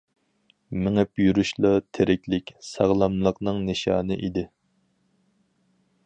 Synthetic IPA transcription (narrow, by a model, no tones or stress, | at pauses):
mɪŋɛpjyɾyʃlˠɑt̪ʰeɾɪkʲlɪkʲsɑʁlˠɑmlˠəqnɨŋnɨʃɑ̰ːnɨʔid̪ɪ